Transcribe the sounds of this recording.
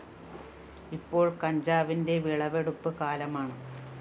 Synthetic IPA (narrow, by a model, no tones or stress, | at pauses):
ipːo̞ːɭkɐɲd͡ʑaːʋinde̞ʋiɭɐʋeɽupːɨkaːlɐmaːɳɨ